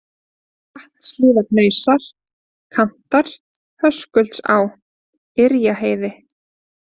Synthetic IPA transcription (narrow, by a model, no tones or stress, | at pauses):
ah̪nslɪːðaɾnœːɥsaɾ̥ | kʰam̥t̪aɾ̥ | hœskʏlt̪sa̰w | ɪɾjaɦeːjðɪ